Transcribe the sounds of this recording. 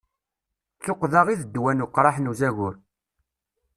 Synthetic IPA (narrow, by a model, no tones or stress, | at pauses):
θoqːðɑʁiðəd̪ːwænʊqːɾˤɑħnuzæɣʊɾ